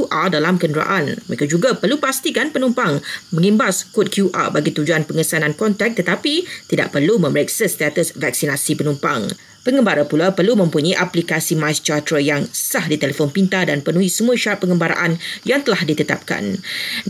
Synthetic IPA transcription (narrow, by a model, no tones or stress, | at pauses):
uʔadalamkəndəɾa̰ʔanməekad͡ʒuɡapərlupast̪ikanpənũmpaŋmə̃ŋĩmbaskot̚kʰjuʔa̰baɡit̪ud͡ʒuanpəŋəsanãnkɔnt̪ɛk̚t̪ət̪apit̪ida̰ʔpərlumə̃məɾeksəst̪at̪əsvak̚sinasipənumpa̰ŋ | pəŋɡəmbaɾapulapərlumə̃mpuɲãʔaplikasimajst͡ʃat̪ɾəjaŋsahdit̪elefonpint̪adanpənũĩsəmuaʃaɾapːəŋəmbaɾa̰ʔanjaŋt̪əlahdit̪ət̪a̰p̚ka̰n